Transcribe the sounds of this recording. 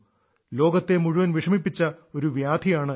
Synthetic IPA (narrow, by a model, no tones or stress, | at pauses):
lo̞ːɡɐt̪ːe̞muɻuʋɐnʋiʂɐmipːit͡ɕːɐo̞ɾuʋjaːd̪ʱijaːɳɨ